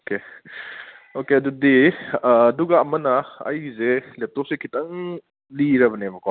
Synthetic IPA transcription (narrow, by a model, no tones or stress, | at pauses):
oke | okeɐdudiː | duɡɐːmɐnɐɐ̰jzelep̚tɔp̚sekʰitɐŋ | liɾɐbɐnemɐko